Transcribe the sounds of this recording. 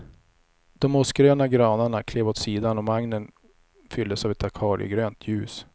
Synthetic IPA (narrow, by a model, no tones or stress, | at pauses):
d̪̥ɔmɔsɡɾøːnaɡɾɑːnaɳakʰleːvoːt̪siːd̪anɔvaŋnən | fʏld̪əsavɛt̪akʰɑːɾɪ̰ə̰ɡɾøːnt̪ʰjʉ̟ːs